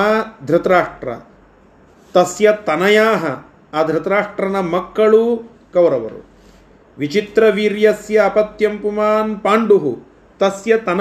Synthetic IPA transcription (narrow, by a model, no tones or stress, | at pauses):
d̪ʱɾɪt̪ɐɾaːʂʈɾɐ̰ | t̪ɐsjɐt̪ɐnɐjaːɦɐ | aːd̪ʱɾɪt̪ɾaːʂʈɾɐnɐmɐkːɐɭu | kɐwɾɐʋɐ̰ɾṵ | ʋit͡ʃit̪ɾɐʋiːɾjɐsjɐːpɐt̪jɐmpumaːnpaːɳɖuɦu | t̪ɐsjɐt̪ɐn